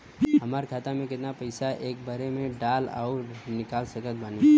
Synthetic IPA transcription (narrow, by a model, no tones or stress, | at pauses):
ɦɐmaːɾkʰaːt̪amẽkɪt̪napɐɪsaʔeːk̚bʱɐɾemẽɖaːla̰ːʊnɪkaːlsəkət̪̚baːni